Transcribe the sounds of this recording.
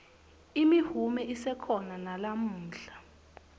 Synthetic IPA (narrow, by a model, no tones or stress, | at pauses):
imihumɛʔisɛkʰɔnanalam̩ːɬḁ